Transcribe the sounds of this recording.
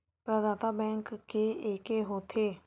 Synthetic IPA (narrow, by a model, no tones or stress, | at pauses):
pɾəd̪aːt̪aːbɛ̃ːŋkːeːeːkeːɦoːt̪ʰeː